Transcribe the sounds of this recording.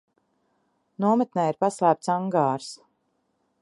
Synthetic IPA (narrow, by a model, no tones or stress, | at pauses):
nuɔmɛt̪nɛjiɾpaslæːp̚t̪saŋɡaːɾs